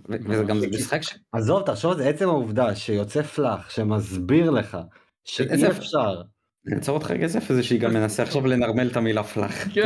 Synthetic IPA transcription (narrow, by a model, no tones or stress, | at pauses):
vevezeɡamzisχakʃazo̞vt̪aχʃovazeet͡semauvd̪aʃejo̞t͡seflaχʃe̞mazbiʁle̞χa̰ | ʃeiefʃaʁ | nḭmt͡soʁot̪χa̰ɡesefzeʃeiɡamːenaseaχʃavlenaʁmelt̪amilafla̰χ